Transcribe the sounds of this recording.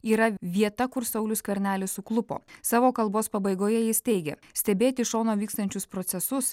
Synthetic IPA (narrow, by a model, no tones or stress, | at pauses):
iːɾɐʋʲiɛt̪ɐkʊɾsɐʊlʲʊskʋʲɛɾʲnʲæːlʲɪssʊklˠʊpo̰ːsɑːʋoːkɐlˠboːspɐbɐɪɡoːjɛjɪst̪ʲɛɪɡʲɛ̰ | sʲt̪ʲɛbʲeːt̪ʲɪʃoːnoːʋʲiːkst̪ɐnʲt͡ʃʲʊspɾɔt̪sʲɛsʊs